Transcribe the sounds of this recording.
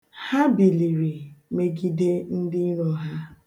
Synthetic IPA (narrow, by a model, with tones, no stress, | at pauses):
ha˦bi˨li˨ɾi˨me˨ɡi˦de˦n̩˦dɪ˦nɔ˨ɦa˦